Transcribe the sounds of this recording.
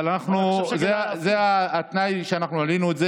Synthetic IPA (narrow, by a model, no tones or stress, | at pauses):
lanaχnuzezeaat̪najʃeanaχnualinuetze